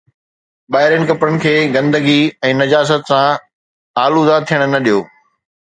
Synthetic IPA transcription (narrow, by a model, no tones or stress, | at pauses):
ɓaːɦɪɾjənɪ̆kɐpɾənɪ̆kʰeːɡɐ̃nd̪əɡiɛ̃ːnɐd͡ʑaːs̬ət̪sã | aːluzaːt̪ʰːijəɽ̃nɐɗijoː